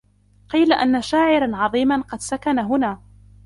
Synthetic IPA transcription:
qiːlaʔanːaʃaːʕɪɾanʕɑðˤiːmanqɑd̪sakanaɦʊnaː

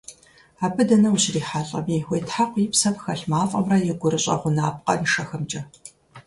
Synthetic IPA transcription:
aːbʰɨdɐnɐwuɕriːħaɬʼɐmixʷeːtʰħaqʷipsɐpxɐɬmaːfʼɐmrɐjɛɡʷʊɾɨɕʼɐ̰ʁʷʊnaːp̚qʼɐ̰nʂɐxɐmt͡ʃʼɐ

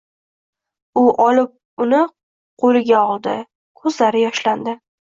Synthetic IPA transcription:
ʊʔɒlɪp̚ | ʊnɪ | qʰolɪɡʲaɒlˠd̪ɪ | kʰɵzlaɾɪjɒʃland̪ɪ

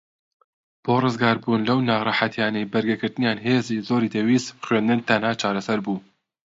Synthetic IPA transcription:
b̥oːrɨzɡaːɾbuːnlɐwnɑːʁrˤɑħat̪ʰjaːnɛjbɐɾɡɐɡɨɾt̪ɨnjaːnɦeːziːzoːɾiːd̪ɛwiːsbxɥeːnd̪ɨnt̪ɐnhaːt͡ʃaːɾɐsɐɾbuː

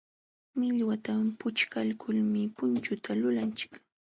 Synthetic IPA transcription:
mɪʎwat̪ampʊt͡ʃkalkʰʊlmɪpʊnt͡ʃʊt̪ʰalʊlant͡ʃɪ̥k

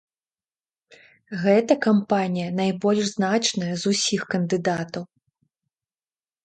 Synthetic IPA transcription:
ɣɛt̪ɐkampanʲijɐnajbɔlʲʂznat͡ʂnɐjɐzusʲixkɐnd̪ɨd̪at̪ɐw

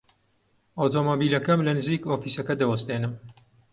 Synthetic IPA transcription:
oːt̪ʰomoːbiːlɐkɐmlɐnɨziːkoːfiːsɐkɐd̪ɐwɐst̪eːnɨm

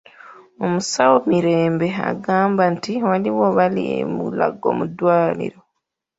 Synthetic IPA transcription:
omusawomiɾe̞ːmbe̞a̰ɡaːmbantiwaliwoβalḭḛmṵla̰ɡo̞̰ːmudwaːlḭɾo̞

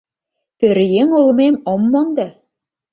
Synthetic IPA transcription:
pøɾjeŋulmemomːɑŋd̪æ

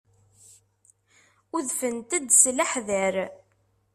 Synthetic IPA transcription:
ʊðfənt̪æd̪slaħðəɾ

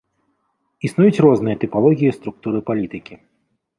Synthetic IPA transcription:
isnujut͡sʲrɔznɨjɐt̪ɨpalˠɔɣʲijist̪ɾukt̪uɾɨpalʲit̪ɨkʲi

